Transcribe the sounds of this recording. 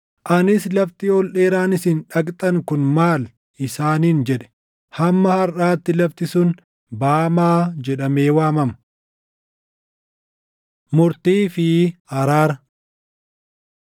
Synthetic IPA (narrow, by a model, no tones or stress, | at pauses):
ʔɐnɪslɐft̪iːɔlᶑe̞ːɾaːnɪsɪnᶑɐkʼt̪ʼɐŋkʊnmaːl | ɪsaːniːnd͡ʒɛᶑɛ̥ | hɐmːɐhɐɾʔaːt̪ːɪlɐft̪ɪsʊn | baːmaːd͡ʒɛᶑɐmeːwaːmɐmɐ | mʊɾt̪iːfɪhɐɾaːɾɐ